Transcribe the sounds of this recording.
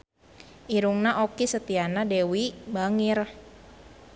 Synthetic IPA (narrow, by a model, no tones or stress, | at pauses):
ʔiɾuŋnaʔokisət̪ianadewibaŋir